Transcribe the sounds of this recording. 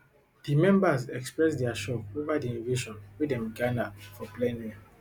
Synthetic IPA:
dimɛ̃mbazɛkspɹɛs̬dɛaʃɔovadiĩnviʃɔ̃nwidɛ̃mɡanafɔplɛ̃ni

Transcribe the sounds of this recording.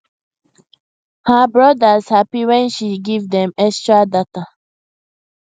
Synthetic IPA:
həbɹɔdazhapiwɛ̃nʃiɡivd̪ɛ̃mɛkstɹadat̪a

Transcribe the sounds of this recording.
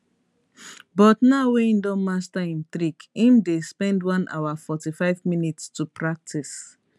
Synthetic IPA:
bɔtnaʊweĩndɔ̃nmastaĩnt̪ɾikĩmdespɛ̃ndwãnʔa̰ʊafɔtifaɪvminitstupʰɹak̚tʰis

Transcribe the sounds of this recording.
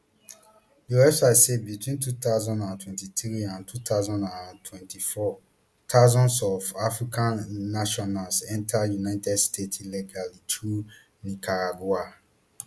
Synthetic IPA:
diwɛfsasebitʰwĩntut̪aʊzɔ̃ndãntʰwɛ̃ntit̪ɹiãntʰut̪ʰaʊzɔ̃ndãntʰwɛ̃ntʰifɔ | tʰazɔ̃nsɔvafɹikʰãnːaʃɔnalsɛ̃ntʰajunaɪtɛdstʰetliɡalitʰɹu | nikʰaɹaɡwa

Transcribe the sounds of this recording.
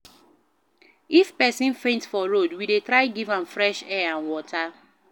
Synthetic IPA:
ifpɛsĩnfẽntfɔɹodwidetɹaɪɡivãmfɹɛʃɛãnwɔtʰa

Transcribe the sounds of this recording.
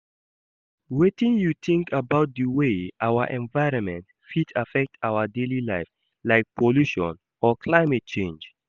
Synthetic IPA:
wetĩnjuθɪ̃ŋkʰəbaʊt̚dəweʔawəʔɛ̃nvaɪɹɔ̃nmɛ̃nt | fitʰafɛk̚tʰaʊədelilaɪf | laɪk̚pʰoluʃɔ̰̃n | ɔkʰlaɪmɛt̚t͡ʃẽnd͡ʒ

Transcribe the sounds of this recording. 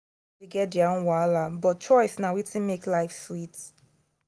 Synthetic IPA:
deɡɛt̚diaõnwalabɔt̚t͡ʃɔɪsnawitĩnmeklaɪfswit

